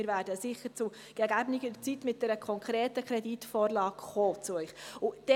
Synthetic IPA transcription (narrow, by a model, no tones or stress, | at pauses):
ɪːɾvæːɾdəsɪχːəɾt͡sʊ | ɡ̥ɛɡæbnɪɡədət͡sitmɪt̚d̥ɛɾəkʰɔŋkʰɾɛːtəkʰɾɛditfɔːrlɑːkχoːt͡suœʏχʊd̥ɛ